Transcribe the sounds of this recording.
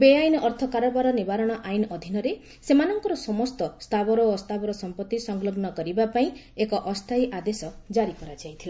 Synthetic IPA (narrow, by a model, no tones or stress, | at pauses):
beajnɔʔɔɾt̪ʰɔkaɾɔbaɾɔnibaɾɔɽ̃ɔʔajnɔʔɔd̪ʱinɔɾe | semanɔŋkɔɾɔsɔmɔst̪ɔst̪ʰabɔɾɔst̪abɔɾɔsɔmpɔt̪ːisɔŋɡlɔɡnɔkɔɾibapaĩ | ekɔʔɔst̪ʰajʔad̪esɔd͡ʒaɾikɔɾad͡ʒajt̪ʰila